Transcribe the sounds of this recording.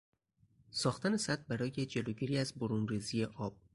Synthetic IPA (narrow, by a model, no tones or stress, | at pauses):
sɒːxt̪æne̞sæt̪̚bæɾɒːje̞d͡ʒe̞loːɟiːɾiːæzboɾunriːzije̞ʔɒːb̥̚